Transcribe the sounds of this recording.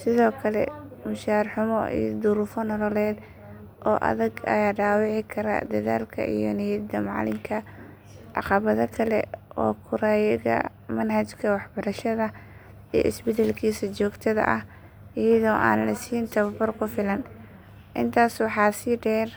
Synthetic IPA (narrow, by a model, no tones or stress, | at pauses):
sɪðɔːkʰɐlɛ̰mʊʃaːɾħʊmɔ̰ʔḭjɔd̪ʊɾʊfɔnɔlɔlɛːd̪ | ʔɔːʔɐ̰ðɐɡɐ̰jaːɖaːwɑʕɪkʰɐɾɐ̰d̪ɐða̰ːlkʰɐ̰ʔijɔ̰nɛjɐd̪ɐmɑ̰ʕlɪ̰mkʰɐ | ʕɑ̰qɑβɐðɐkʰɐlɛ̰ʔɔ̰ːkʰʊɾaːjɐɣɐ̰ | mɐnhɐt͡ʃkʰɐwɑħbɐɾɐʃɐðɐ | ḭʔɪ̰sbɛd̪ɛlkʰiːsɐt͡ʃɔːɡt̪ʰɐðɐ̰ʔɐh | ijɐðɔːʔa̰ːnlɐsiːjnt̪ʰɐβɐbɐrkʰʊfɪlɐn | ʔɪnt̪ʰaːswɑħɑːsɪɖɛːr